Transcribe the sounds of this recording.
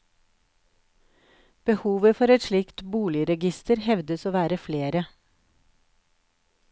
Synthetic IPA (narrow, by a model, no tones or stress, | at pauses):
b̥əhuːʋəfɔɾɛt̪ʃlɪkt̪buːlɪəɾɛɡɪst̪əɾhɛʋd̪əsoːʋæːɾəfleːɾə